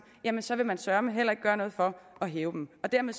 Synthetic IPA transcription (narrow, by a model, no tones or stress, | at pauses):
jæmənsɒ̽ʋe̝mænsɶɐməɦelɐe̝ɡ̥ɡ̥ɶːɐnɔ̽ːð̩ˠfɒ̽ɒ̽ɦeːʊd̥emɒ̽d̥æɐ̰meðˠ